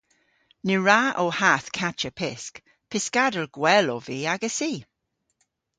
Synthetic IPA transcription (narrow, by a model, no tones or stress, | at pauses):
nɪɹaʔɔhaθkʰat͡ʃəpʰɪsk | pʰɪskadəlɡ̥wɛlɔviːaɡəsiː